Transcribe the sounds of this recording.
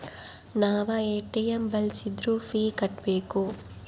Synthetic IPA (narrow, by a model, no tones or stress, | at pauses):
naːʋɐeːʈijɐmbɐlsid̪ɾufʰiːkɐʈbeːku